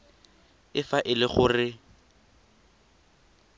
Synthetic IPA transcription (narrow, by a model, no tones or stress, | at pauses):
ɪfaʔɪlɪχʊrɪ